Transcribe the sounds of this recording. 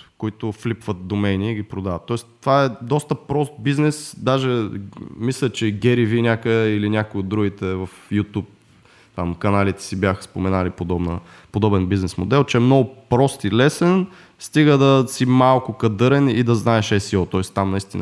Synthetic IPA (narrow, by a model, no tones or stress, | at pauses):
koit̪ʊflipvət̪̚d̪omɛniːɡʲipɾod̪avət̪ːɔɛst̪ːovaɛd̪ɔst̪əpɾɔst̪̚biznɛsd̪aʒɛmislʲət͡ʃɛɡʲɛɾivinʲjakoilinʲakoiod̪ɾuɡʲit̪ɛvɐfjut̪up̚ | t̪amkɐnalit̪ɛ̥sibjaxə̥spomɛnalipod̪ɔbnə | pod̪ɔbɛnbiznɛsmod̪ɛlˠt͡ʃɛːmnɔɡʊpɾɔst̪ilɛsɛn | st̪iɡəd̪ɐsimalˠkʊkɐd̪ɤɾɛnid̪ɐznaɛʃɛsiɔt̪ɔɛst̪amnɐist̪inə